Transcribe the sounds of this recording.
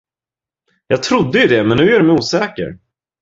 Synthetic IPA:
jɑːɡ̚t̪ʰɾʊd̪ːəjɵd̪ɛmɛnːʉ̟ːæɖmɛjuːsɛːkə̰ɾ

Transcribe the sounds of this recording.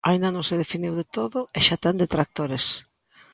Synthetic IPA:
aĩnd̪anõŋseðefiniwðet̪oðʊeʃat̪and̪et̪ɾak̚t̪oɾes

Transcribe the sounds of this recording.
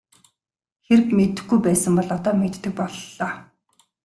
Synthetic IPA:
xerɘ̆kmet̪ɘ̆xɡujpæːsə̆mpɔɮɔt̪ɔːmet̪ːɘ̆k̚pɔɮːɔː

